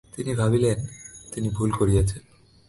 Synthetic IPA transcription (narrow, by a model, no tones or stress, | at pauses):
t̪inibʱabilent̪inibʱulkoɾiet͡ɕʰen